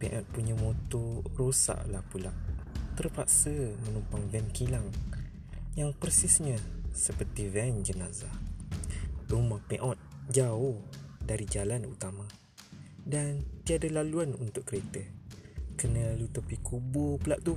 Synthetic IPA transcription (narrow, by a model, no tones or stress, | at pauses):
pɛʔɔt̪̚puɲamot̪orosa̰ʔlahpula̰ʔt̪ərpaʔsəmənumpaŋvɛnkilaŋ | jaŋpərsɪsɲəsəpərt̪ivɛnd͡ʒənaza | dumapɛʔɔt̪̚d͡ʒaʊhdaɾid͡ʒalanut̪ama | dant̪iadalaluanunt̪ʊʔkəɾet̪ə | kənəlalut̪əpikubʊpəlaʔt̪u